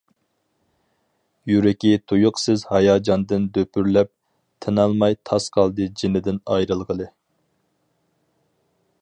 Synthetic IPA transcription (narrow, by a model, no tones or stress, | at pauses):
jyɾɪkʲit̪ʰujʊqsɨzhɑjɑːd͡ʒɑnd̪ɨnd̪øpʰyɾlɛp̚ | t̪ʰɛnɑlˠmɑjt̪ʰɑsqʰɑlˠd̪ɨd͡ʒinɪd̪ɪnɑjɾɨlˠʁəlˠɨ